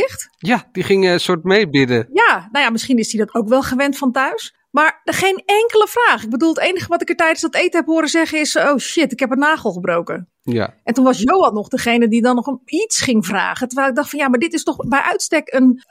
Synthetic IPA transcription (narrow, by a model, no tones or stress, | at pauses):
ɪxtjadiχɪŋsʊtmejbɪdəjanawjamɪsχinɪsdidɔtʰowkʋɛlˠχəʋɛntfɔntœɥs | maɹdəxenɛŋkələfraːxɪɡ̚bədulˠtejnəxəʋɔtɪkətɛjdənsdɔtejtəhɛphoəɾəzɛɣəɪsowʃɪtɪkhɛpənnaːχəl̩ˠxəbrowkə | a̰ʔɛntunʋɑsjowɔlˠnɔχdəχejnədidɔnɔxitsχɪŋvra̰ːχətərʋɛjlˠɪɡ̚dɑxtfɔnjamaɹdɪtɪstɔxbɛjʔœɥtstɛkən